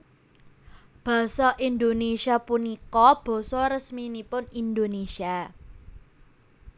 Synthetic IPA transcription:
b̥a̤sɔʔind̪onesiapunikɔb̥ɔ̤sɔɾəsminipʊnind̪onesia

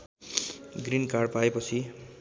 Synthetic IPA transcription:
ɡrinkarɖpaepʌt͡sʰi

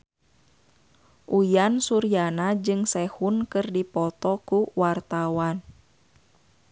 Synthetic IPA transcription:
ʔujansuɾijanad͡ʒɨŋsɛhunkɨrdipɔt̪ɔkuwart̪awan

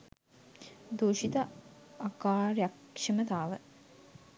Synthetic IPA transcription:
d̪oːʃit̪aakaːrjakʂəmət̪aːʋə

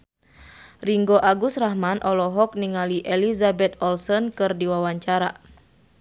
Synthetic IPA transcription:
riŋɡoʔaɡust̪raɦmanʔɔlɔɦɔk̚niŋaliʔɛlizabɛt̪̚ɔlsɔnkɨrdiwawaɲt͡ʃaɾa

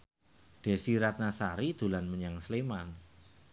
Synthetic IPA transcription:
d̥e̤siɾat̪̚nasaɾid̪̥ṳlanməɲaŋsleman

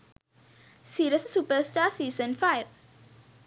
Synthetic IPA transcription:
siːɾɪsəsupəstaːsiːzə̃nfaɪv

